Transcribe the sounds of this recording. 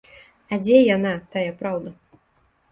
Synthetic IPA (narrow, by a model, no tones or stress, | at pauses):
ɐd͡zʲɛjanat̪ajɐpɾawd̪ɐ